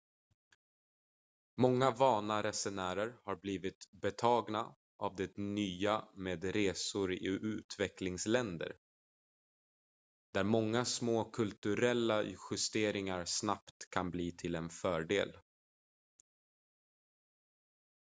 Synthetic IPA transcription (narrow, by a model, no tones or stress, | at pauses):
mɔŋːavɑːnaɾɛsɛnæːɾəɾhaɾbliːvɪt̪bɛt̪ʰɑːɡna | ʔavd̪ɛnyːameːd̪ɾeːsʊɾɪʉ̟ːt̪vɛklɪŋslɛnd̪ə̰ɾ | d̪̥æɾmɔŋːasmoːkʰɵlt̪ɵɾɛlːaɧɪst̪eːɾɪŋaɾsnapt̪kʰanbliːt̪ʰɪlɛnfœːɖḛːl